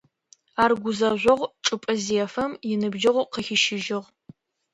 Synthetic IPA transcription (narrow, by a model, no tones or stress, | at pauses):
aːrɡʷʊzɐʑʷɔʁʷʈ͡ʂʼɨpʼɨziɛfɐmjɪnɨbʒɪʁʷqəxɪʃɪʒɪʁ